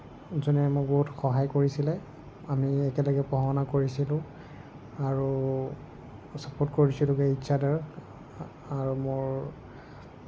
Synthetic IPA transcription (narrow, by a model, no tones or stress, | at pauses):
zɔnɛmok̚boɦutxɔɦajkoɹisilɛ | amiɛkɛlɔɡɛpɔɦɔnakoɹisilʊ̃ | aɹu | sapɔɹtkoɹisilʊ̃keitːsadaɹ | aɹumoɹ